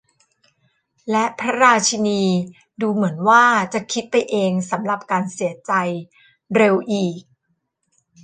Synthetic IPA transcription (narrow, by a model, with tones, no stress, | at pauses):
lɛ˦˥pʰɾa˦˥ɾaː˧t͡ɕʰi˧niː˧ | duː˧mɯ˩˦ənwaː˥˩t͡ɕa˨˩kʰi˦˥t̪̚pa˧jʔeː˧ŋsa˩˦mɾa˨˩p̚kaː˧nsi˩˦ət͡ɕa˧j | ɾe˧wʔiː˨˩k̚